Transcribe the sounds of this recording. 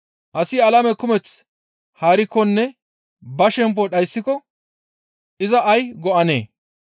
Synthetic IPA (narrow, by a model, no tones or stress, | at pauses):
ʔɐsɪɐlɐmɛkʊmɛt͡s | haːɾɪkːɔnːɛ | bɐʃɛmp̬ɔɗɐjsːɪkɔ | ʔɪzɐʔɐjɡɔʔɐnḛː